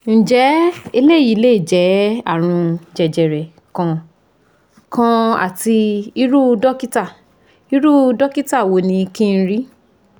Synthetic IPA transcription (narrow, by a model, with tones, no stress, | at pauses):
n̩˨d͡ʒɛ˨˦e˧le˦˨i˨˦le˦i˦˨d͡ʒɛ˨˦a̰˦˨ɾ̃ũ˧d͡ʒɛ˨d͡ʒɛ˨ɾɛ˨ | kã˧ | kʰã˧a̰˨ti˧i˧˦ɾu˦dɔ˦ki˦ta˦˨ | i˨˦ɾu˦dɔ˦ki˦ta˦˨wo˨˦nĩ˧kĩ˦˧˦ɾi˦